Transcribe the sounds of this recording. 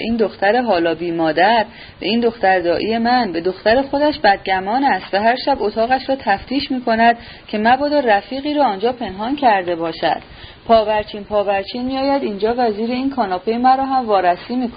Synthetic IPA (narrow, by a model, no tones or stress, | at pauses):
ʔiːnd̪o̞xt̪æɾe̞ɦɒːlɒːbiːmɒːd̪æɾ | beiːnd̪o̞xt̪æɾd̪ɒːʔiːje̞mænbe̞d̪o̞xt̪æɾe̞xo̞d̪æʃbæd̪̚ɟæmɒːnæst̪væɦæɾʃæbot̪ʰɒːɣæʃɾɒːt̪ʰæft̪ʰiːʃmiːkʰo̞næd̪̥ | cʰe̞mæbɒːd̪ɒræfiːɣiːɾɒːnd͡ʒɒːpʰe̞nɦɒːncʰæɾd̪e̞bɒːʃæ̰d̪̥ | pʰɒːbæɾt͡ʃʰiːnpʰɒːbæɾt͡ʃʰiːnmijɒːjæd̪iːnd͡ʒɒːvæziːɾe̞iːnkʰɒːnɒːpʰejemæɾɒːɦæmvɒːɾæsiːmiːkʰo